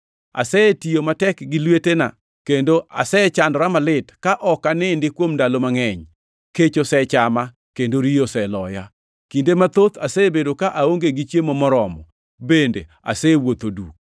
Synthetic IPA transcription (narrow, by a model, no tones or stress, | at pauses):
a̰sɛtijomatɛkɡɪlwetena̰ | kendoʔa̰sɛt͡ʃandɾamalɪtkaʔɔkanɪndɪkwomndalomaŋɛɲ | ket͡ʃosɛt͡ʃama | kendoɾijosɛlɔja | kindemat̪ot̪asebedokaʔaoŋɡeɡɪt͡ʃjemomɔɾɔmɔ̰ | bendḛ | a̰sɛwot̪oduk̚